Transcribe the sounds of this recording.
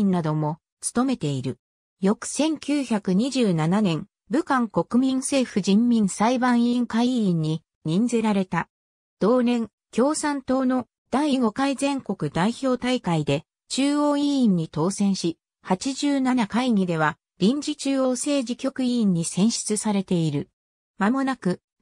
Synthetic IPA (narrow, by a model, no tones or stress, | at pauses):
nnad̪o̞mo̞ | t͡sɨ̥t̪o̞me̞t̪e̞iɾɯ̟ | jo̞kɯ̟̥sẽ̞ŋkʲɨːçakɯ̟ɲ̟iʑɨːnananẽ̞ŋ | bɯ̟kãŋko̞kɯ̟mʲĩñse̞ːɸɯ̟ʑĩmːʲĩñsaibãɰ̃iŋkaiĩɲ̟ːi | ɲ̟ĩnd͡zeɾaɾe̞t̪a | d̪̥o̞ːnẽ̞ŋ | kʲo̞ːsãnt̪o̞ːno̞ | d̪̥aiiɡo̞kaizẽ̞ŋko̞kɯ̟d̪aiço̞ːt̪aikaid̪e̞ | t͡ɕɨːo̞ːĩːɲ̟ːit̪o̞ːsẽ̞ɰ̃ɕi | hat͡ɕiʑɨːnanakaiɲ̟ʲid̪e̞β̞a | ɾʲĩɲ̟d͡ʑit͡ɕɨːo̞ːse̞ːʑikʲo̞kɯ̟ĩːɲ̟ːisẽ̞ɰ̃ɕi̥t͡sɨsaɾe̞t̪e̞iɾɯ̟ | mamo̞nakɯ̟